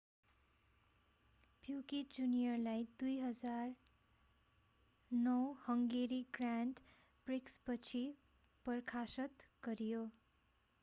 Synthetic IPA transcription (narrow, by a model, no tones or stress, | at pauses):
pjukid͡zunijʌrlajd̪ujɦʌd͡zar | nʌwhʌŋɡeɾiɡranɖ | prikspʌt͡sʰi | pʌrkʰasʌt̪ɡ̥ʌɾijo